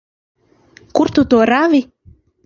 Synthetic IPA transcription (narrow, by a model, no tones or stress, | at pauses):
kuɾt̪ut̪uːɾavi